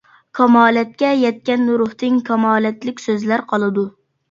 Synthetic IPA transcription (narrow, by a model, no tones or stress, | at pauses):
kʰɑmɑːlɛt̪̚kʲɛjɛt̪̚kʲɛnːuɾʊht̪ɪŋkʰɑmɑːlɛt̪lɪkʲsøzlæɾqʰɑlˠɨd̪u